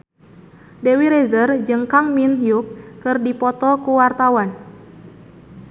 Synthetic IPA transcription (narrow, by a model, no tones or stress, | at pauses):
dewiɾezərd͡ʒɨŋkaŋminɦjukkɨrdipɔt̪ɔkuwart̪awan